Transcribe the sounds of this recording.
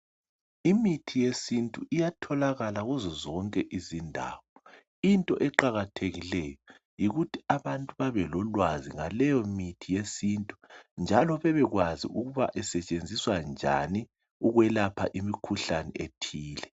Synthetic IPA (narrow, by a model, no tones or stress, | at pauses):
imitʰijesintʼuʔijatʰɔlaɣalaɣuzɔzɔŋkʼɛʔizindʱa̰βɔ | intʼɔ̰ʔɛǃaɣatʰeɣilɛjɔ | jiɣutʰiaβantʼuβaβɛlɔlwaziŋalɛjɔmitʰijesintʼund͡ʒʱalɔβɛβɛɣwazḭuɣuβaʔɛsɛt͡ʃʼend͡zʱiswand͡ʒʱa̰ni | uɣwɛlapʰa̰ʔimikʰuɬanɛ̰etʰiːlɛ